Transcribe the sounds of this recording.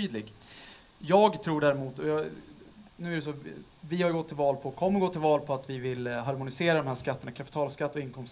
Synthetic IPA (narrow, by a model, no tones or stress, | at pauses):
yːd̪lɪɡ | jɑːɡt̪ʰɾuːɖæːɾɛmuːt̪ɔjɑ | nʉ̟ːæɖɛs̬ɔː | vɪhajɵɡɔt̪ʰːɪlvɑːlpʰɔkʰɔmːəɾɡoːt̪ʰːɪlvɑːlpʰɔat̪vɪvɪlːɦaɾmʊnɪseːɾad̪ɔmhæːʂkat̪ːəɳakʰapɪ̥t̪ʰɑːlskat̪ːɔɪnkʰɔms